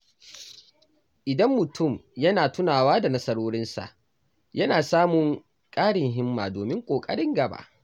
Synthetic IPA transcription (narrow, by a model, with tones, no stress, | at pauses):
ʔɪ˨dɐ˦mːʊ˨tʰʊ˦˨mjɐ˦naː˨tʊ˦naː˨waː˦da˨nɐ˦sɐ˦ɾoː˦ɽɪ˦nsa̰˨ʔ | jɐ˦naː˨saː˦mʊ˨ŋ | kʼaː˦ɽɪ˨ŋɦɪ˦mːa̰ː˨doː˨mɪ˦ŋkʷʼoː˨kʼɐ̰˦ɽɪ˦ŋɡɐ˨ba̰ː˦˨ʔ